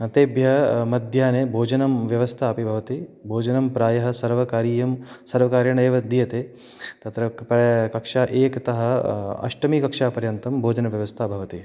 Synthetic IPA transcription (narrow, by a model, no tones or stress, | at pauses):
ɐt̪eːbjɐɦmɐd̪ʱjaːnebʱoːd͡ʒɐnɐmʋjɐʋɐst̪ʰaːpibʱɐʋɐt̪ibʱoːd͡ʒɐnɐmpɾaːjɐɦɐ̆sɐɾʋɐkaːɾiːjɐmsɐɾʋɐkaːɾjɐɳɐeʋɐd̪ijɐt̪eː | t̪ɐt̪ɾɐpɐkɐkʂaːʔeːkɐt̪ɐɦɐ̆ɐ̰ʂʈɐmiːkɐkʂaːpɐɾjɐnt̪ɐmbʱoːd͡ʒɐnɐʋjɐʋɐst̪ʰaːbʱɐʋɐt̪i